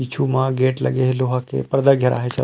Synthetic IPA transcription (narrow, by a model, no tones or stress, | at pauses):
it͡ʃʰumãɡeːʈlɐ̰ɡeɦloɦakḛpɐɾd̪əɡʱɐɾʔa̰ːɦet͡ʃʰɐ